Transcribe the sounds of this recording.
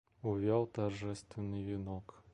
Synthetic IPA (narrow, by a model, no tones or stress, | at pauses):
ʊvʲalˠt̪ɐrʐɛst̪vʲɪnːɨjvʲɪnɔk